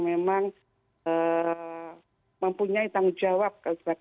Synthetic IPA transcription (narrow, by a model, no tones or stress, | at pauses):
memaŋ | ə | məmpuɲait̪aŋud͡ʒawap̚kalsbak